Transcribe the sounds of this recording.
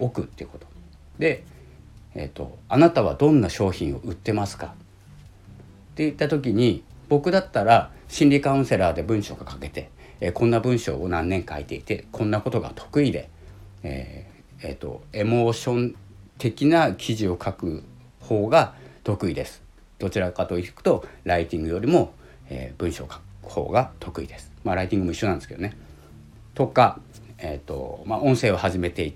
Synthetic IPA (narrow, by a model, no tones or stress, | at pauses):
o̞kɯ̟t̪ːeɯ̟ko̞t̪o̞̥ | d̪̥e̞ | ḛt̪ːo̞̰anat̪aβ̞ad̪õ̞nːaɕo̞ːçĩɰ̃o̞̰ʔɯ̟t̪ːe̞masɨ̥ka | t̪ːe̞it̪ːat̪o̞k̬ʲiɲ̟i | b̥o̞kɯ̟d̪at̪ːaɾaɕĩnɾʲikaɯ̟̃se̞ɾaːd̪e̞bɯ̟̃ɰ̃ɕo̞ːɡakake̞t̪e̞ | kõ̞nːabɯ̟̃ɰ̃ɕo̞̰ːonãnːẽ̞ŋkait̪e̞it̪e̞kʰõ̞nːako̞t̪o̞ɡa̰t̪ʰo̞̥kɯ̟id̪e̞̰ | ḛː | et̪ːo̞̰e̞mo̞ːɕõ̞n | t̪e̞kʲinakʲʰiʑio̞kʰakɯ̟ | ho̞ːɡat̪o̞kɯ̟id̪e̞sɨ̥ | d̪̥o̞t͡ɕiɾakat̪o̞ikɯ̟̥t̪o̞ɾait̪ʲĩŋɡɯjo̞ɾʲimo̞ | ḛːb̥ɯ̟̃ɰ̃ɕo̞ːkḁkɯ̟̥ho̞̰ːɡat̪ʰo̞kɯ̟id̪e̞sɨ̥maɾait̪ʲĩŋɡɯ̟mo̞iɕːonanesked̪one | t̪o̞ka | et̪ːo̞̰maʔõ̞ɰ̃se̞ːo̞haʑime̞t̪e̞it̪